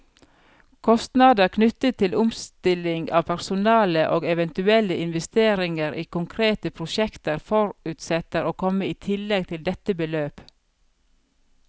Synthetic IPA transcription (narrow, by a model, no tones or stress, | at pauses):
kʰɔst̪nɑd̪əɾkʰnʉt̪ət̪ʰːɪlʊmst̪ɪlɪŋɑːʋpʰæɾsʊnɑːləʔoːɡɛʋɛnt̪ʉɛləʔɪnʋɛst̪eːɾɪŋəɾʔiːkʊŋkʰɾeːt̪əpʰɾʊʃɛkt̪əɾfɔɾʉːt̪sɛt̪əɾoːkʰɔməiːt̪ʰɪlːɛɡ̚t̪ʰɪld̪ɛt̪əbəløːp